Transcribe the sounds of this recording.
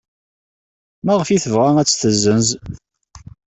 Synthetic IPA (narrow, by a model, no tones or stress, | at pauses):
mæʁəfiθəvʁææt͡sːθəzːənz